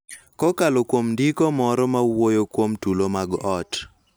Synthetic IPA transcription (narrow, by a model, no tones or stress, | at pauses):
kɔkalokwomndikɔmɔɾɔmawojokwomtulomaɡɔt